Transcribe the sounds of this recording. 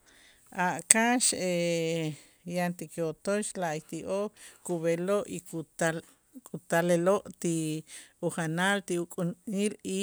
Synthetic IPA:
ʔaʔkaʃe | jant̪ikeot̪oʃlaʔit̪iʔokkuβeloʔiua | kʼut̪aleloʔt̪iuχanalt̪iukʼunili

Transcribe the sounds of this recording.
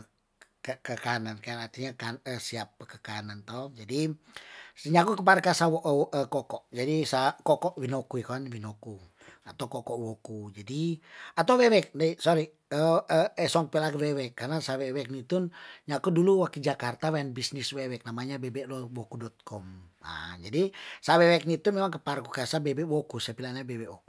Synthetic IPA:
kəkəkanankaanart̪iɲakaəsiap̚ːəkəkanant̪ɔd͡ʒadi | sɲakukəpaɾkasawɔʔʔəkɔkɔʔd͡ʒadisakɔkɔʔwinɔkuikɔnwinoku | at̪aukɔkɔʔwɔkud͡ʒadiat̪auwɛwɛk̚naisɔɾi | əəɛsɔŋ̚pɛlakwɛwɛkːarnasawɛwɛk̚nit̪unɲakuduluwakid͡ʒakart̪awɛnbisniswɛwɛk̚namaɲabebɛʔlɔwɔkudɔt̪̚kʰɔma̰d͡ʒadisawɛwɛk̚nit̪unmemaŋkəparkukasabebɛwɔkusapilanabebɛou

